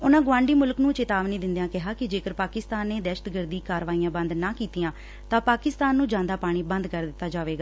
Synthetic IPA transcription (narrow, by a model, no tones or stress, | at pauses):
ʊnãːɡʋãːɳɖiːmʊlknũːt͡ʃet̪aːʋniːd̪ɪ̃nd̪jãːkɪɦaːkɪd͡ʒeːkəɾpaːkɪst̪aːnːeːd̪ɛːʃət̪ɡəɾd̪iːkaːɾʋaːiːãːbə̃nd̪naːkiːt̪ijãː | t̪ãːpaːkɪst̪aːnːũːd͡ʒãːnd̪aːpaːɽ̃iːbənd̪kəɾd̪ɪt̪ːaːd͡ʒaːʋeːɡaː